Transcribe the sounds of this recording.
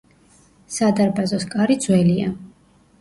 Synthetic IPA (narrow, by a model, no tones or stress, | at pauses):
sad̪aɾbazɔskʼaɾid̪zwɛlia